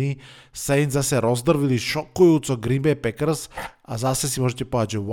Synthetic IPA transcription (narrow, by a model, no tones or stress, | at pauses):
isɛjnzasɛɾozd̪r̩ʋiliʃokujuːt̪soɡɾimbɛpɛkr̩sazasɛsimoʒɛt̪ɛpoaːt͡ʃʋ